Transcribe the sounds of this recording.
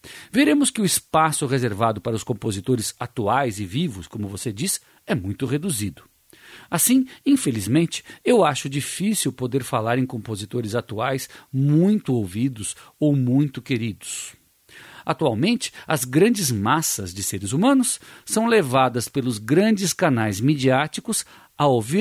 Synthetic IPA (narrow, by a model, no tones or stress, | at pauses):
veɾẽmʊskɪʊɪspasʊʁezeɾvad̪ʊpaɾɐʊskõmpozit̪oɾɪzat̪uajzɪvivʊskõmʊvosed͡ʒis | ɛmũj̃t̪ʊʁed̪uzid̪ʊ | asĩĩfelizmẽnt͡ʃɪ̥ewaʃʊd͡ʒifisiwpod̪eɾfalaɾẽj̃kõpozit̪oɾɪzat̪uajsmũj̃t̪ʊowvid̪ʊs | owmũj̃t̪ʊkeɾid̪ʊs | at̪uawmẽnt͡ʃɪ̥ɐzɡɾɐ̃nd͡ʒɪzmasɐzd͡ʒɪseɾɪzumɐ̃nʊsːɐ̃w̃levad̪ɐspelʊzɡɾɐ̃nd͡ʒɪskanajzmed͡ʒiat͡ʃikʊs | ɐovi